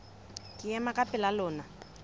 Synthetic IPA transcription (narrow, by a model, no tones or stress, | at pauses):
kʼɪjɛmakʼapʼɪlalʊːna